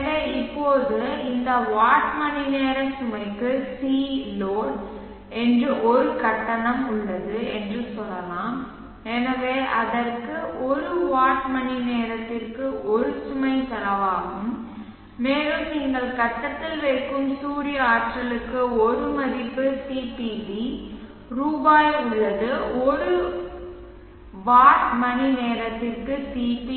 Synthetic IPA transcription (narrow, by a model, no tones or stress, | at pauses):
ɾɐɪpːoːðɯɪnd̪ɐʋaːʈmɐnineːɾɐsʊmɐɪkːɯsiːloːn | ɛndrɯʔɔɾɯkɐʈːɐnɐmʊɭːɐðɯɛndrɯsɔlːɐlãːm | ɛnɐʋeːʔɐðɐrkɯʔɔɾɯʋaːʈmɐnineːɾɐt̪ːɪrkɯʔɔɾɯsʊmɐɪt̪ɐɾɐʋaːɣɯmː | eːlɯmniːŋɡɐɭkɐʈːɐt̪ːɪlʋɐɪkːɯmsuːɾɪjɐaːʈrɐlɯkːɯɔɾɯmɐðɪpːɯsiːpiʋi | ruːbaːjʊɭːɐðɯɔɾɯ | ʋaːʈmɐnineːɾɐt̪ːɪrkɯsiːpi